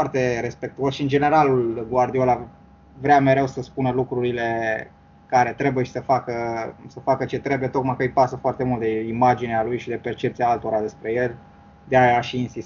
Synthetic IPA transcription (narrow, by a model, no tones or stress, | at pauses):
art̪e̞ɾe̞spe̞k̚t̪uosʃiɨnd͡ʒe̞ne̞ɾalulɡward̪iola | vɾeame̞ɾe̞wsəspunəlukɾuɾile̞ | kaɾe̞t̪ɾe̞bujeʃi̥səfakəsəfakət͡ʃe̞t̪ɾe̞buje̞t̪o̞kmajkəɨjpasəfoart̪e̞mult̪̚d̪eimad͡ʒinealujʃid̪e̞pe̞rt͡ʃe̞p̚t̪sijaalt̪oɾad̪e̞spɾeje̞lʲ | d̪eaaʃiːnsis